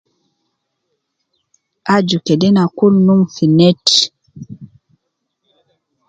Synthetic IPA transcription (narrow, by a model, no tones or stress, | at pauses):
ad͡ʒukedɛnakulnuŋfinɛt